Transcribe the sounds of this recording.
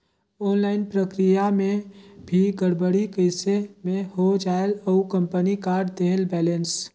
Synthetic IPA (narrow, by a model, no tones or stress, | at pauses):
ɔːnlaːɪnpɾəkɾijamẽbʱiɡəɽbəɽikəɪsemẽhod͡ʒaːeləukə̃mpənikaːɾɖd̪eɦlbɛːlə̃ns